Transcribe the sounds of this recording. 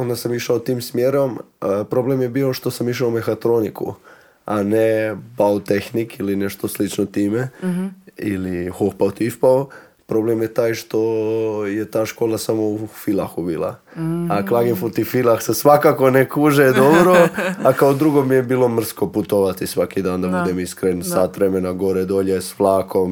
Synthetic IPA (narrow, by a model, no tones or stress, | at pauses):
ond̪asamiʃaot̪iːmsmjeɾom | əpɾo̞blemjebiːo̞ʃt̪o̞samiʃ̬aomexat̪ɾonikṵ | anebaot̪exnikilineʃt̪oslit͡ʃnot̪iːme | ilixoxpawt̪ifpao | pɾo̞blemjet̪aːjʃt̪o̞jet̪aːʃkoːlˠasamo̞ufilˠaxubiːlˠa̰ | aklˠaːɡenfut̪ifilˠaxsesʋakaːko̞nekuːʒed̪obɾoakaod̪ɾuɡomijebiːlo̞mr̩sko̞put̪oʋat̪isʋakid̪aːnd̪abud̪emiskɾensat̪ʋɾemenaɡo̞ɾed̪oʎesflˠaːkʰom